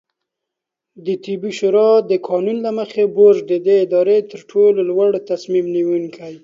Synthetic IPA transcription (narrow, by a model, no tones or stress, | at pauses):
d̪ət̪ibiʃuɾɑd̪əkʰɑnunlaməxeboʒd̪əd̪eɪd̪ɑɾet̪əɾʈʰololwaɽt̪asmimniwuŋkʰaj